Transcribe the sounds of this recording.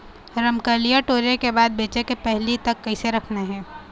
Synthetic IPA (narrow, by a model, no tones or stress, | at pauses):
ɾɐmkəlijaʈoːɾekebaːd̪̚beːt͡ʃekepɛɦlit̪ɐkːɐiseɾɐkʰnaɦɛ̃ː